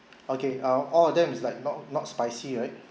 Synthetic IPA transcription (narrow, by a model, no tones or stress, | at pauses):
okeʌ̃ɔlɔfdɛ̃mislaɪk̚nɔt̚nɔtspaɪsiɹaɪt̚